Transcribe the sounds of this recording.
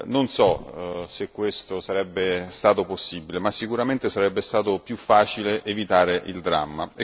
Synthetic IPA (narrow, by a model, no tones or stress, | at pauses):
nonsɔsekːwest̪osaɾɛbːest̪aːt̪oposːiːbilemasːikuɾament̪esaɾɛbːest̪aːt̪opjufːaːt͡ʃileʔevit̪aːɾeʔild̪ɾa̰mːae